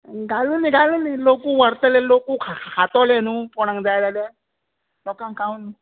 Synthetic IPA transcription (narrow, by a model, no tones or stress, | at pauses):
ɡaluniɡalunilokuwəɾt̪əlelokukʰakʰat̪ɔlenupɔɽ̃aŋd͡zajlale | lɔkaŋkawnu